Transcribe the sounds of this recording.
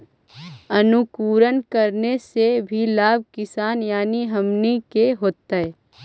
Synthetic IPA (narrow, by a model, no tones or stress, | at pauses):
ɐnʊkuːɾənkəɾnesebʱilaːb̚ʱkɪsaːnjaːniɦɐmnikeɦoːt̪ːaɦɛː